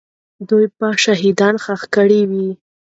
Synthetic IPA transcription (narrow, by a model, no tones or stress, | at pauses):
d̪ujpaʃaɦid̪ɑnxaxkəɽiwi